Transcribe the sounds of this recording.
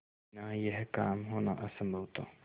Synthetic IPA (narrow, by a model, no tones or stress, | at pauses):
najəɦkaːmɦoːna̰ʔɐsəmbʱoʊt̪a̰